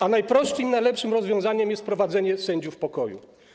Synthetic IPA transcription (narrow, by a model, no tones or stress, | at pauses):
anajpɾɔstʂimnajlɛpʂɘmɾɔzvʲjɔ̃w̃zaɲɛmjɛst̪̚pɾɔvad̪zɛɲɛsɛɲd͡ʑufpɔkɔjṵ